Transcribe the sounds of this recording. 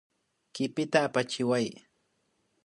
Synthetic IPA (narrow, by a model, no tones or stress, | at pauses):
kɪpɪt̪aːpat͡ʃɪwaj